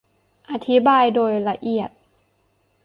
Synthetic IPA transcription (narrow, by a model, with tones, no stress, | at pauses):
ʔa˧t̪ʰi˦˥baː˧jdoː˧jla˧ʔi˨˩ət̪̚